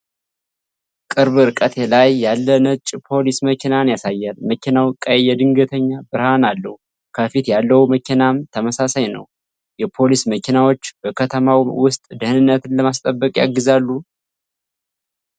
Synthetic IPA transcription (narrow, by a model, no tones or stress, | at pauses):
kʼɨɾβɨɾkʼət̪ʰe̞lajːalːənət͡ʃʼpʰo̞lisməkʰinanjasajːalməkʰinawkʼəjjɛd̪ɨŋɡət̪ʰəɲːabɨɾhanalːəhu | kʰəfit̪jalːəhuməkinamt̪ʰəməsasajnə̰w | jɛpʰo̞lisməkʰinawo̞t͡ʃːb̥əkʰət̪ʰəmawwʊst̪ʼd̪ɨhɨnɨnːət̪ɨnləmast̪ʼəbːəkʼja̰ɡːɨzalːu